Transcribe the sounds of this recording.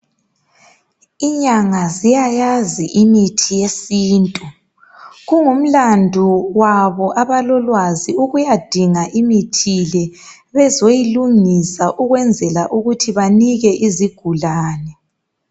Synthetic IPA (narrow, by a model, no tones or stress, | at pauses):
iɲaŋazijajaziʔimitʰijesiːntʼu | ɣuŋum̩landʱuwaβɔʔaβalɔlwaziuɣujad̥ʱiŋaʔimitʰilɛ | βɛzojiluŋisaʔuɣwɛnd͡zʱɛlaʔuɣutʰiβaniɣɛʔiziɡ̥ʱulaːnɛ